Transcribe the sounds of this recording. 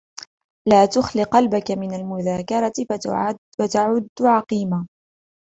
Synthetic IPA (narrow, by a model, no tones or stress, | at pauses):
laːt̪ʊxlɪqɑlbakamɪnalmʊðaːkɑɾˤɑt̪ɪ | wat̪aʕʊd̪ːʕɑqiːma